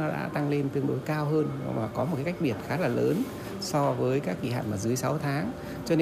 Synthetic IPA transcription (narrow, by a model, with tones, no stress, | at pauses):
nɔ˨˦ɗa̰ː˧˥t̪a˧ŋle˧nt̪ɨ˧ənɗo˨˦jkaː˧wɦəː˧n̰˨˧maː˨˩kɔ˨˦mo˨˩kaː˨˦jka˥jk̚ɓi˨˩ət̚xaː˨˦laː˨˩ləː˨˦n | sɔ˧vəː˨˦jkaː˦˥kːi˧˩ɦa̰ː˧˨nmaː˨˩zɨ˨˦əjsa˨˦wt̪ʰaː˨˦ŋ | t͡ɕɔ˧ne˧